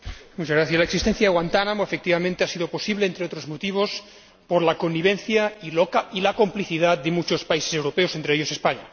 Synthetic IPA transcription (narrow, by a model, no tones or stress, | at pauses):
mut͡ʃazɣɾaθjaslaeksist̪en̟θjaðeɣwant̪anamoefek̚t̪iβamẽnt̪easiðo̞po̞siβleːnt̪ɾeo̞t̪ɾozmot̪iβ̞o̞s | poɾlakonːiβ̞ẽnθjailoilakompliθiðat̪d̪emut͡ʃospaisesewɾopeosent̪ɾeeʎosespaɲa